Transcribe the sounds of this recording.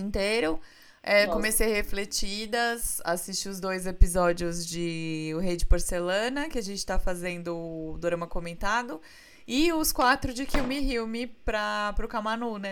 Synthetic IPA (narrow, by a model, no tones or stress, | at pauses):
ĩnt̪ejɾʊ | ɛkomesejheflet͡ʃid̪ɐsa̰sist͡ʃiʊzd̪ojzepizɔd͡ʒiʊzd͡ʒɪʊɦejd͡ʒɪpoɾselɐ̃nɐkɪaʒẽnt͡ʃɪ̥t̪afazẽnd̪ʊd̪oɾɐ̃mɐkomẽnt̪ad̪ʊ | ɪʊskwat̪ɾʊd͡ʒɪkiwmɪɦiwmɪpɾɐpɾʊkamanunɛ